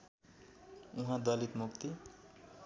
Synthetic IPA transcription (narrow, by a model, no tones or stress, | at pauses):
ũɦãd̪ʌlit̪mukt̪i